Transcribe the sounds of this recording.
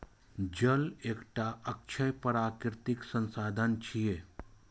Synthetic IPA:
d͡ʒəleːkʈaʔək̚t͡ʃʰəjpəɾaːkɪɾt̪ɪksə̃nsaːd̪ʱənt͡ʃʰije

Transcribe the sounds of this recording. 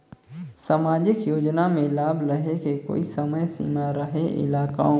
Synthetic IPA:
saːmaːd͡ʒɪkjoːd͡ʒnamẽlaːbɾəɦekeko̰ːisɐməjsḭːmaɾəɦeʔɪ̰laːka̰õ

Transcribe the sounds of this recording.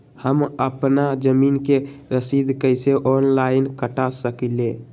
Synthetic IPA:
həməpnad͡ʒəminkeɾəsid̪kəjseʔonlainkəʈasəkile

